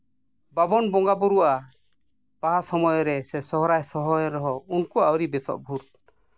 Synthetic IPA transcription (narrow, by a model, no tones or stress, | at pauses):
babɔnbɔŋɡabuɾuwa | b̥aɦasɔmɔjɔɾɛsɛsɔɦɔɾajsɔɦɔjɔɾɔɦɔunkuawɾibɛsɔ̰ʔbʱuɾ